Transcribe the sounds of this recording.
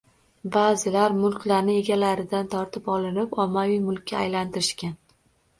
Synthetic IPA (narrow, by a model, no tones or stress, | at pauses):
baːzɪlaɾmʊlˠkʲlaɾnɪe̞ɡʲalaɾɪd̪ant̪ʰɒɾt̪ʰɪpɒlˠɪnɪpɒmːavijmʊlˠkʲʰːaːjlant̪ɪɾɪʃkʲan